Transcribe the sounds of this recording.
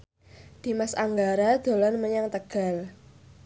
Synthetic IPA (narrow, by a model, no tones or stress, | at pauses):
d̪̥i̤masaŋɡaɾad̪̥o̤lɔnməɲaŋt̪əɡ̥a̤l